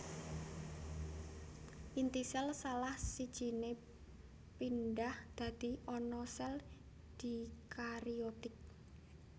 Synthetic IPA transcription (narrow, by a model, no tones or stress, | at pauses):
ʔint̪isɛlsalahsid̥ʒ̥i̤ne | pinɖahd̪̥a̤d̪̥i̤ɔnɔsɛl | d̪̥i̤kaɾiot̪ɪk̚